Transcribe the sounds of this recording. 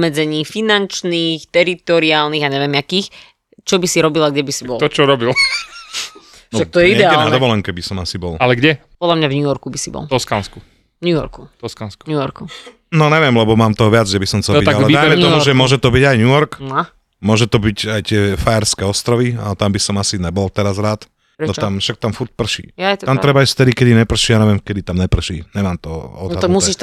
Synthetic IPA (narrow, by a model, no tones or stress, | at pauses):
mɛd͡zɛɲiːfinant͡ʃniːxt̪ɛɾit̪ɔɾiaːlniːɣaɲɛʋɪjɛmjakiːx | t͡ʃɔbisiɾɔbilaɡɟɛbisibɔlt̪ɔt͡ʃɔɾɔbil | nʒɛt̪ɔjɛiɛd̪ɛaɛːlad̪ɔʋɔlɛŋkɛbisɔmasibɔlalɛɡɟɛpɔd̪lʎamɲavɲujɔɾkubisibɔ̰lˠt̪ɔskansku | vɲujɔ̰ɾkuɔskanskuɲujɔɾku | nɔɲɛʋɪɛmlɛbɔmaːmt̪ɔɦɔʋad͡zd͡ʒɛbisɔmt͡s̪ɛbialɛd̪aj̪mɛt̪ɔmuʒɛmʊɔʒɛt̪ɔbiɟajɲujɔɾk | mʊɔʒɛt̪ɔbicajt̪ɪɛfaɛɾskɛɔst̪ɾɔʋiat̪ambisɔmasiɲɛbɔlt̪ɛɾazɾaːt̪ | ɾɛɔt̪amfʃak̚t̪amfuɾt̚pr̩ʃḭːjat̪amtt̪ɾɛbaisft̪ɛd̪ikɛd̪iɲɛpr̩ʃiːaɲɛʋɪɛmkɛd̪it̪amɲɛpr̩ʃḭːɲɛmaːmt̪ɔɔ̰d̪ad̪amusiːʃ